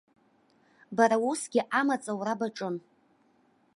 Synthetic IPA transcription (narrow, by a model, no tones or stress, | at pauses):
baɾausɡʲɪʔamat͡sʼawrabaʈ͡ʂʼɨn